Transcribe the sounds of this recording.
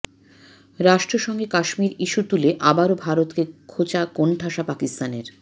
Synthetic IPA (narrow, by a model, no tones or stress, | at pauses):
ɾaʃʈɾoʃɔŋɡekaʃmiɾiʃut̪uleʔabaɾobʱaɾot̪kekʰot͡ɕakonʈʰaʃapakist̪aneɾ